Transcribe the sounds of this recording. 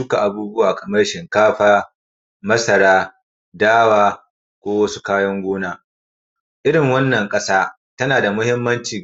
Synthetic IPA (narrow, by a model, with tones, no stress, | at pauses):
dʊ˦ka˨ʔa˨buː˦bʊ˦waː˨kɐ˨mɐ˦rʃɪ˨ŋkaː˦ɸaː˦ | mɐ˦sɐ˨ɽaː˦ | daː˦waː˦ | kʷoː˦wɐ˦su̥˦kaː˦jɐ˦ŋɡʷoː˦naː˦ | ʔɪ˦ɽɪ˨ŋwɐ˦nːɐ˨ŋkʼɐ˦saː˦ | tɐ˦naː˨da˨mʊ˦hɪ˦mːɐ˦nt͡ʃiː˨